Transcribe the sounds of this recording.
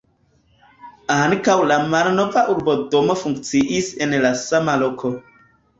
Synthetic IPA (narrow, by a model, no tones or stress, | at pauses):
aŋkawlamalno̞vaʔuɾbo̞do̞mo̞fuŋk̚t͡siʔisenlasamalokʰo̞